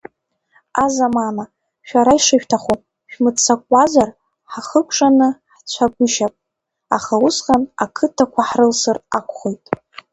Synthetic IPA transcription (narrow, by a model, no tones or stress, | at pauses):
azamana | ʃᶣaɾaiʂɨʃᶣtʰaχopʼ | ʃᶣmɨt͡sʰakʷʼazar | ħaχəkʷʰʼʂʼanɨħt͡ɕʷʰaɡʷʊʃapʼ | a̰χausqanakʰɨtʰakʷʰaħrɨlsɨrakʷʰʼχojtʼ